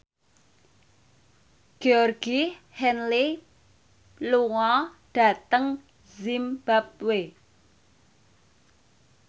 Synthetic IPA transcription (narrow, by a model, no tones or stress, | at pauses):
ɡ̥eɔrɡ̥i | hɛnli | luŋɔɖ̥a̤t̪əŋ | zimb̥ap̚we